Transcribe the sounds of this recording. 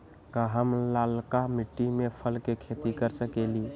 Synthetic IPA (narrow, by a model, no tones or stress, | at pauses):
kaɦəmlalkamiʈːimepʰəlkekʰet̪ikəɾsəkeli